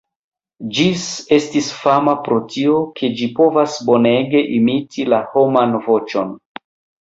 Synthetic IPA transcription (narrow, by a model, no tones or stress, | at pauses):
d͡ʒise̞stisfamapɾo̞tio̞kʰe̞d͡ʒipo̞vasbo̞ne̞ɡe̞ʔimitʰilahomanvo̞t͡ʃo̞n